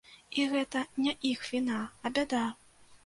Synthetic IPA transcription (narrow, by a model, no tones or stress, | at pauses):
iɣɛt̪ɐnʲɛʔixvʲinaːbʲad̪a